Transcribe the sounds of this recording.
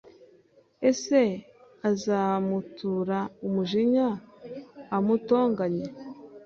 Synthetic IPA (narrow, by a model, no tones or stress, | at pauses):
e̞se̞ | azamutuːɾaumuʒiɲaː | muto̞ːŋɡaɲe